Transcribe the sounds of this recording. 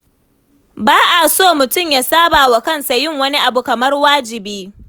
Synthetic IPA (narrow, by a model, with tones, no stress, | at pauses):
baː˦ʔa˨soː˦˨mʊ˨tʊ˦˨mjaː˦saː˦baː˨wa˨kɐ˦nsa˨jɪ˦ŋwɐ˦ni˦ʔa˨bu˨kɐ˨mɐ˦rwaː˦d͡ʒɪ˨biː˦